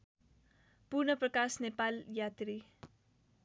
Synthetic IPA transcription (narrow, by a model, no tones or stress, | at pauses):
purnʌprʌkasnepaljat̪ri